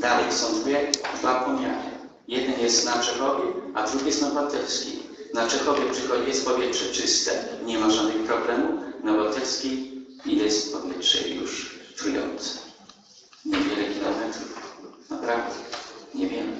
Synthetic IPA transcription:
d̪alɛjsɔ̃w̃d̪vujɛd̪vapɔmʲa̰nɛ̰ | jɛd̪ɛnjɛst̪nat͡ʂɛxɔvʲjɛad̪ɾuɡʲijɛsnavat̪ɛlskʲḭ | nat͡ʂɛxɔvʲjɛpʂɪxɔijɛst̪̚pɔvʲjɛtʂɛt͡ʂɪst̪ɛ̰ɲɛmaʐad̪nɨxpɾɔblɛmunavat̪ɛlskʲiijɛst̪pɔvʲjɛtʂɛ̰jṵʂtɾujɔ̰nt̪sɛ̥ | ɲɛvʲjɛlɛkʲilɔmɛt̪ɾufnapɾavd̪ɛɲɛvʲjɛm

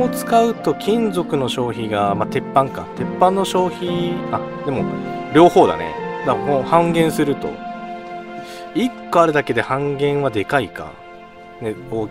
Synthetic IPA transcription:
ot͡sɨ̥kaɯ̟t̪o̞kʲʰĩnd͡zo̞kɯ̟no̞ɕo̞ːçiɡamat̪e̞pːãŋka̰t̪e̞pːãnːo̞ɕo̞ːçiad̪e̞mo̞̰ɾʲo̞ːho̞ːd̪a̰nḛd̪akõhãŋɡẽɰ̃sɨɾɯ̟t̪o̞̰ | ikːo̞aɾɯ̟d̪ake̞d̪e̞hãŋɡẽ̞ɰ̃βad̪e̞kaika̰ | neoː

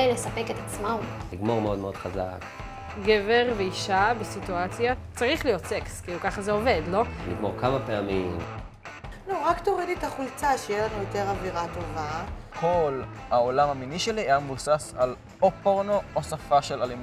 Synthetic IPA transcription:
jlesapeket̪at͡smamliɡmo̞ʁmeo̞d̪meod̪χaza̰k | ɡeveʁveiʃabesituat͡sjat͡saʁiχlijo̞tsekskiːlukaχazeo̞ve̞dlo̞lḭɡmoʁkamapeamim | nuʁaktoʁiditaχult͡saʃejelanujote̞ʁaviʁat̪o̞vakʰo̞lhaolamhaminiʃe̞liejamvusasal | opoʁnoosafaʃe̞lalim

